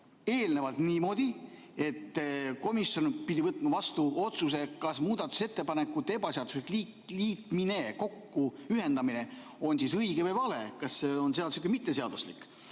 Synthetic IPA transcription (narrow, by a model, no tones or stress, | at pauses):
e̞ːlne̞vɑlt̪niːmo̞d̪i | e̞t̪ːko̞misjo̞npid̪ʲivɤt̪ːˑmɑvɑst̪uo̞t̪sus̬e̞kɑsmuːd̪̥ɑt̪ːˑu̥se̞t̪ːe̞pɑnekːˑut̪ːebɑseɑd̪̥uslikli | liːt̪mine̞ko̞kːuyɦe̞nd̪ɑmine̞ | o̞nsisɤjɡ̥evɨjvɑle̞kɑsːeonseɑd̪usikːˑemit̪ːe̞seɑd̪̥uslḭkːˑ